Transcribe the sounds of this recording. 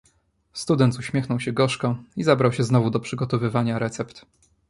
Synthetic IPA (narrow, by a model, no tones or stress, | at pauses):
st̪ud̪ɛnt̪uɕmʲjɛxnɔwɕɛɡɔʂkɔizabɾawɕɛznɔvud̪ɔpʂɘɡɔt̪ɔvɘvaɲaɾɛt̪sɛpt̪